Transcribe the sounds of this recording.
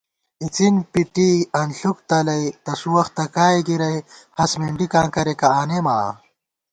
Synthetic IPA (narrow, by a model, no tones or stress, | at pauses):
it͡sinpiʈiɐnɬuk̚t̪ɐlɐjt̪ɐsuwɐxt̪ɐkaːjɡiɾɐjhɐsmeɳɖikãːŋkɐɾekɐaːneːma̰ː